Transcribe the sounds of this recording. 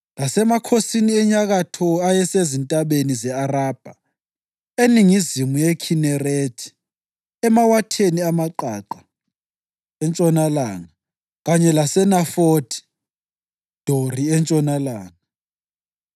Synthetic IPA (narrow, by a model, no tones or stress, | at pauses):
lasɛmakʰosiniɛɲaɣatʰɔajɛsezintʼaɓenizɛaraːb̥ʱa | eniŋizimujɛkʰinɛretʰi̥ | ɛmawatʰeniamaǃa̰ǃa | ɛnt͡ʃʼɔnalaːŋa | ɣaɲɛlasɛnafodʰi̥ | d̥ʱoriɛnt͡ʃʼɔnalaːŋa